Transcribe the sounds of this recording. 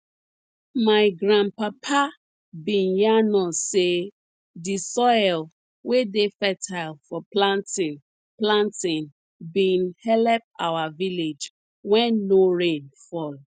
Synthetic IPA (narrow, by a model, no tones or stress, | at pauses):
maɪɡɹãnpapʰa | bĩnjanɔ̃se | disɔɪl | wedefɛtʰaɪlfɔplãntĩn | plãntĩn | bĩnhɛlɛp̚awaviled͡ʒ | wɛ̃nːoɹẽnfɔl